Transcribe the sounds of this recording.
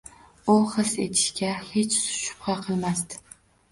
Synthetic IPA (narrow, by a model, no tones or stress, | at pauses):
ʊχɨse̞̰t̪ʰɪ̥ʃkʲahe̞t͡ʃsʊ̥ʃʊ̥pqʰɑqʰɨlˠmast̪ɪ̥